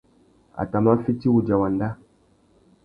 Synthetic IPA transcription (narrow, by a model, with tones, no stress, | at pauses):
a̰˨ta˨ma˦fi˦ti˦wu˨d͡ʒa˨wa˨nda˦